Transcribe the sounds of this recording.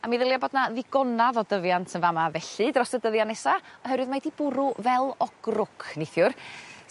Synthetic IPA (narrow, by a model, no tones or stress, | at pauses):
amiðəlˠjabɔdnaðɪɡ̥ɔnaðɔdəvjantʰənvamavɛɬɨdrɔsədəðjanɛsaɔɦɛɾwɨðmajdib̥ʊɾʊvɛlˠɔɡ̥rʊkʰnejθjʊr